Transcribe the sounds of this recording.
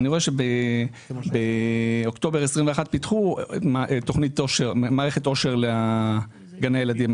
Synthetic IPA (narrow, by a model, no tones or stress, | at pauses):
niʁo̞eʃebe | beokt̪o̞beʁesʁimveaχat̚pitχumʔto̞χnitoʃeʁmaːʁeχeto̞ʃe̞ʁlea | ɡaneajelad̪im